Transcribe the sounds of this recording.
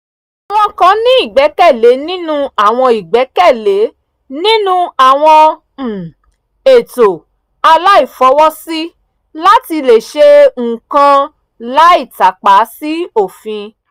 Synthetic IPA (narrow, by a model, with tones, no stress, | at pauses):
w̃ɔ̃˧kã˧˦nĩ˦i˦˨ɡ͡bɛ˨˦kɛ˦˨le˨˦nĩ˦nũ˦a˦˨w̃ɔ̃˧i˨ɡ͡bɛ˨˦kɛ˦˨le˨˦ | nĩ˦nũ˦a˦˨w̃ɔ̃˧˨ | e˨to˨ | a˧la˦i˦˨fɔ˨˦wɔ˦si˦ | la˦ti˧le˨ʃe˦ŋ̩˨kã˧ | la˦i˦˨ta˨k͡pa˨˦si˦o˦˨fĩ˧